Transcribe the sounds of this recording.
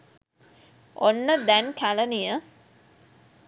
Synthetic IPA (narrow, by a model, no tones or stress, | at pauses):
onːəd̪ænkʰælənijə